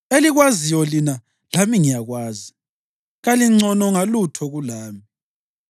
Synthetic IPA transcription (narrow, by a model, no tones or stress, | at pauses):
eliɣwazijɔlina | lamiŋijaɣwaːzi | ɣaliŋ͡ǀʱɔnɔŋalutʰɔɣulaːmi